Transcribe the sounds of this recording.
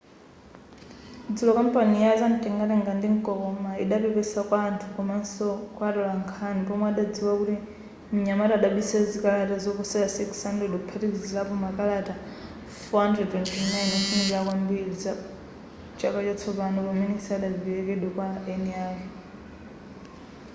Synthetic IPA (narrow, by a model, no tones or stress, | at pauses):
d͡zulɔkam̩panijazantʼɛŋɡaɾɛŋɡandiŋkʼɔɔmaiɗapɛpɛsakwaːntʰukɔmansɔkwaɗɔlaŋkʰanipɔmaaɗad͡ziwakuti | m̩ɲamaɾaːɗaɓisazikalatazɔkɔsɛlasikshandɛdɔpʰatizilapɔmakalata | fɔɦandɾɛdtwɛntʰinajnafundiakwambilid͡za | t͡ʃakat͡ʃat͡sʰɔpanukɔmɛnisaɗaiɛkɛɗɔkwaɛniaːji